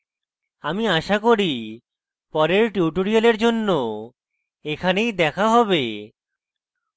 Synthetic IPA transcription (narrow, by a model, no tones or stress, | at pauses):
amiaʃakoɾi | pɔɾeɾʈuʈoɾialeɾd͡ʑonːo | ekʰanejd̪ɛkʰaɦɔbe